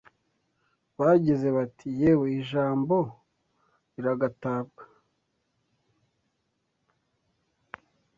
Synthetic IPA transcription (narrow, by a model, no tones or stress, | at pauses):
βaɟize̞βatʰijeβoiʒaːmbo̞ | iɾaɡataːbɡa